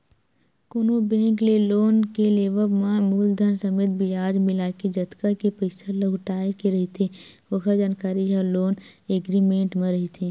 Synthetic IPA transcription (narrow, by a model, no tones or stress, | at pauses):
kʊnubẽːŋkleloːnkeleːʋəbmãmuːld̪ʱənsəmeːt̪̚bijaːd͡ʒmɪlaːked͡ʒɐt̪kəkepəɪsalɐɦʊʈaːekeɾɐɦit̪ʰeʋəkʰəɾd͡ʒaːnkaːɾialoːneːɡɾimẽːɳʈmẽɾɐɦit̪ʰeː